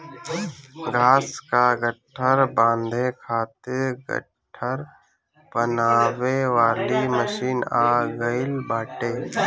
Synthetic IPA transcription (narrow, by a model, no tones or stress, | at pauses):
ɡʱaːskaɡʱəʈʰːəɾbãːnd̪ʱekʰaːt̪ɪɾɡə̰ʈʰːəɾ | pənaːʋeʋaːliməʃiːnaːɡəɪlbaːʈeː